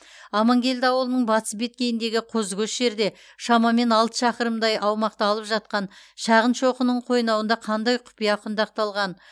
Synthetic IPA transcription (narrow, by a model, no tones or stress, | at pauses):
ɑmɑŋɡʲe̞ld̪ɪɑwəlˠənəɴbɑt̪ə̥sbe̞t̪̚kʲe̞jɪnd̪e̞ɡʲɪqʰozɡʲɵʃʒe̞ɾd̪e̞ | ʃɑmɑme̞nɑlˠt̪ə̥ʃɑqəɾəmd̪ɑjʔɑwmɑqt̪ɑːlˠəpʒɑt̪̚qɑnʃɑʁənʃo̞qənəɴqʰo̞jnɑwənd̪ɑqʰɑnd̪ɑjqʰʊ̥pijɑqʰʊnd̪ɑq̚t̪ɑlˠʁɑn